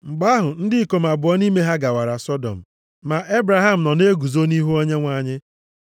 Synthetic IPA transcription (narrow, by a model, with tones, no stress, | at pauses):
ŋ͡m̩˨ɡ͡ba˦ɦʊ˨n̩˦dɪ˦ko˨m̩˨a˨bʊ˨ɔ˦ni˦me˦ɦa˦ɡa˨wa˨ɾa˨sɔ˦dɔ̰˨m̩˨ | ma˨ʔe˦bɾa˨ɦa˦m̩˨nɔ˨ne˦ɡu˨zo˦ni˦ɦu˦o˦ɲe˦ŋʷa˦˨ɲɪ˦